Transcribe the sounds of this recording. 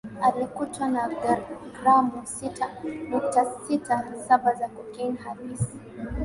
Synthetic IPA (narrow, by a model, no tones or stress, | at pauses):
alikutwanaɡɡɾamɔsitʰanuk̚tasitʰasabazakɔkinhaɾisi̥